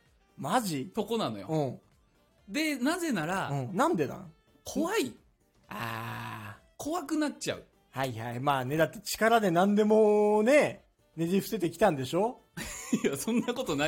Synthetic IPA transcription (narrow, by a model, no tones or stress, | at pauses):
maʑit̪o̞ko̞nano̞joɯ̟̃ | d̪e̞naze̞naɾaɯ̟̃ːɴnãnd̪e̞nã̰ | kʰo̞βai | a̰ː | kʰo̞βakɯ̟nat͡ɕa̰ɯ̟ | haihaimaːne̞d̪at̪ːet͡ɕi̥kaɾad̪e̞nãnd̪e̞mo̞ne̞ | ned͡ʑʲiɸɯ̟̥se̞t̪e̞kʲi̥t̪ãnd̪e̞ɕo̞ː | asõnːako̞t̪o̞na